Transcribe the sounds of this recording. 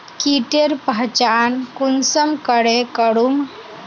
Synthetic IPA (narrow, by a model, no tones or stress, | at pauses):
kiʈeɾpat͡ɕankunsəmkəɽekəɽum